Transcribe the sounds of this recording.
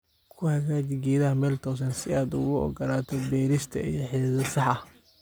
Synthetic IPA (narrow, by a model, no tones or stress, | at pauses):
kʰʊhɐɣaːt͡ʃɪɡɛːðɐɦɐmɛːlt̪ʰɔːs̬ɐnsɪaːd̪ʊɣʊɔ̰ɡɐlaːt̪ʰɔbɛːɾɪst̪ʰɐ̰ḭjɞħɛːsɐsɑħɑ